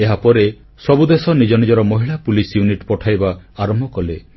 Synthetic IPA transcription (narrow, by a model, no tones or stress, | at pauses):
eɦapɔɾe | sɔbud̪esɔnid͡ʒɔnid͡ʒɔɾɔmɔɦiɭapulisjuniʈpɔʈʰajbaaɾɔmbʱɔkɔle